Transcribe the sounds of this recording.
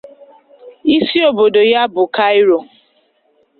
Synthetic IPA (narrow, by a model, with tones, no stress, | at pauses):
i˦si˦o˨bo˨do˨ja˦bʊ˨ka˦jɾo˨